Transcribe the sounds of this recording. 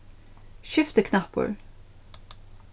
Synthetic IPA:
ʃʏft̪əkʰnapə̰ɹ

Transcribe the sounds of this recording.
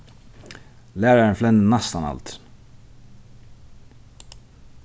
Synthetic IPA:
læːɾəɹənflɛnd̪nɑst̪ɑnɑ̰lt̪

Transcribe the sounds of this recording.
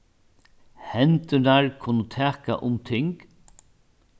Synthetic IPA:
hɛnt̪ʏnaɹkʰʊnʊt̪ʰæːka̰ʔʊmt̪ʰɪŋk

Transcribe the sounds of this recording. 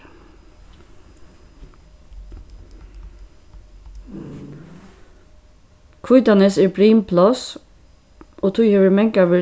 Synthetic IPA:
kʰʊʏd̪ɑnəseːbɹiːmpʰlɑs | ʔoːt̪ʰuːçɛːʋəmɛŋkɑʋɪ

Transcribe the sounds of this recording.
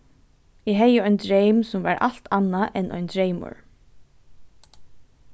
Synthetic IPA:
ɪɦɛjəɔʏnd̪ɹejmsʊmva̰ɹʔa̰l̥t̪ʰanːaʔɛnʔɔ̰jnd̪ɹejmʊ̰ɹ

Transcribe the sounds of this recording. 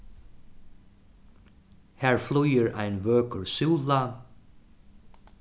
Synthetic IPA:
hæːɹflʉjəɹa̰ɪnʋøːkəɹsʉːla

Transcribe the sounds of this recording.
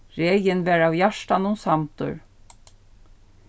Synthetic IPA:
ɾɛːjɪnvɛɾawjaʂt̪anʊnsamt̪ʏ̰ɾ

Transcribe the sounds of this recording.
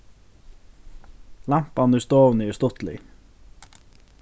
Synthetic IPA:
lam̥panʏst̪ɔːvnɪɛst̪ʊht̪lɪ̰

